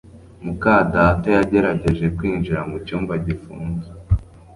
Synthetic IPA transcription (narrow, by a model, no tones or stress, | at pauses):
mukadatojaɟe̞ɾaɟe̞ʒe̞kwiːnʒiɾamɡucuːmvaɟifṵːnze